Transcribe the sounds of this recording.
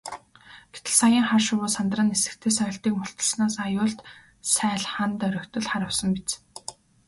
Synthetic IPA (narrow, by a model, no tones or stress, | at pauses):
ɡ̥e̥t̪ɘ̆ɮsajiːŋχarʃʊwʊːsant̪rə̆nesɘ̆k̚t̪ʰeːsœ̆ːɬt̪iːkmʊɬt̪ə̆ɮsnaːsajʊːɮt̪ | sæːɮχant̪œɾʲɞ̆kt̪ɵ̆ɮχaɾə̆wsə̆mpit͡s